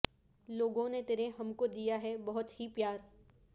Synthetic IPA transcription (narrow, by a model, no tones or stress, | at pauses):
loːɡõnet̪eːɾeɦɐmkod̪ijaɦɛbɐɦʊt̪hipjaːɾ